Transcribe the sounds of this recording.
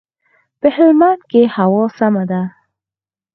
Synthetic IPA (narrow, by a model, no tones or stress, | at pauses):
pəhɪlmankehawɑsamad̪a